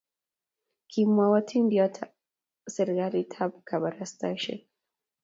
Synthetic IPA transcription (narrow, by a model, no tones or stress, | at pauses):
kʰimuawatʰindiatʰa | sɛɾikalitʰabkʰabaɾastaʃɛ̰